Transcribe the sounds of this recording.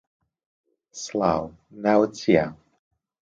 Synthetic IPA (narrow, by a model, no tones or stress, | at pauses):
slaw | nawt͡sja